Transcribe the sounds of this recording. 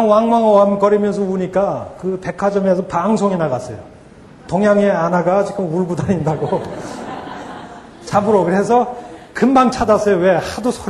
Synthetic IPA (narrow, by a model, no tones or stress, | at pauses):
ŋwaŋwaŋʌamkʌɾimjʌnsʰʌuɲik͈akɯpe̞kʰad͡ʑʌmesʰʌpaŋsʰoŋinaɡas͈ʌjo | toŋjaŋeanaɡat͡ɕik͈ɯmuɭɡudaɾindaɡo | t͡ɕabɯɾokɯɾe̞sʰʌkɯmbaŋt͡ɕʰadas͈ʌjowe̞hadosʰo